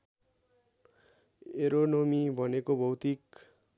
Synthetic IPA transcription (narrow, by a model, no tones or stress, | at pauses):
eɾonomibʱʌnekobʱʌwt̪ik